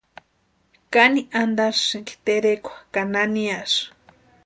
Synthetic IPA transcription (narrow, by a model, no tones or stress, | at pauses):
kaniʔand̪aɾsɨŋki̥t̪eɾekʷḁkananias